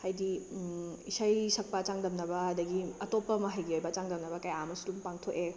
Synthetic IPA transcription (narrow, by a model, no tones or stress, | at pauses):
hajdi | isɐjsɐk̚pɐt͡ʃaŋdɐmnɐbɐɐdɐɡiɐtopːɐmɐɦɐjɡiojbɐt͡ʃaŋdɐmnɐbɐkajamɐsulumpaŋtʰoʔe